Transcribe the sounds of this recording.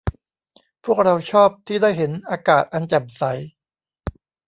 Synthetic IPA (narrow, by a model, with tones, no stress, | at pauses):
pʰu˥˩ək̚ɾa˧wt͡ɕʰɔː˥˩p̚t̪ʰiː˥˩daː˥˩jɦe˩˦nʔaː˧kaː˨˩t̪̚ʔa˧nt͡ɕɛ˨˩p̚sa˩˦j